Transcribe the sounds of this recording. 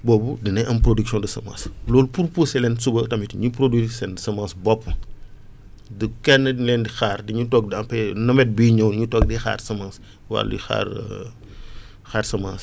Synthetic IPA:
bɔːbudinɐʔɐmpɾodiksjɔ̃ndɐsɐma̰ːslɔːlupuɾpusɛlɛnsubɐtɐmitiɲupɾodwiːsɛndsɐmãːsbɔpːɐ | dukɛnːəlɛndixaːrdiɲutɔːɡ̚dɐmpɛnɐmɛt̚biːɲɐwɲutɔːk̚dɛxa̰ːrsɐmãːns | wa̰lḭxa̰ːɾ | xaːɾsɐmãːs

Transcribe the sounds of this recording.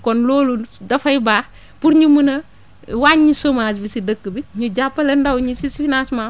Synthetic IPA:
kɔnloːludɐfɐjbaː | puɾɲumunɐ | waɲisomaːsbisidəkːəbiɲud͡ʒapːɐlɛndɐwɲisisifinasma

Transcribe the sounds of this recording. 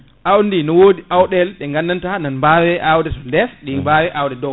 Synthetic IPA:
ʔawndinɔwoːdiʔawɗɛlɗɛŋɡandantananmbawɛʔawdɛtɔlɛsɗimbawɛʔawdɛdɔw

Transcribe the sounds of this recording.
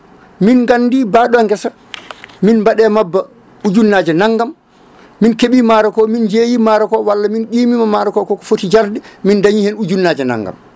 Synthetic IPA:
minɡanːdiːbaːɗɔŋɡɛsa | minmbaɗɛmabːa | ud͡ʒunːaːd͡ʒɛnaŋːɡamː | inkeɓimaɾɔkɔmind͡ʒeːjimaɾɔkɔwalːaminɗiːmimamaɾɔkɔkɔkɔ̥fotid͡ʒaɾdɛmindaɲihɛnud͡ʒunːaːd͡ʒɛna̰ŋɡa̰m

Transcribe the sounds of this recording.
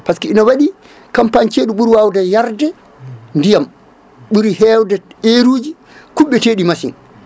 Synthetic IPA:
paskiinawaɗi | kampaɲt͡ʃeːɗuɓuɾwawdajaɾdɛ | ndijam | ɓuɾhɛwdɛeɾuːd͡ʒi | kuɓːɛteːɗimasḭn

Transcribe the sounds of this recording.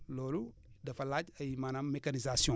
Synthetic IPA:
loːlu | dɐfɐlacɐjimanamekanizasiɔ̃

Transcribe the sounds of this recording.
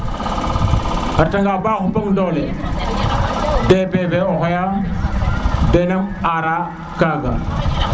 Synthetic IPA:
aɾtaŋɡaːbaxupaŋdole | depebeohjam | denamaɾa | kaːɡa̰

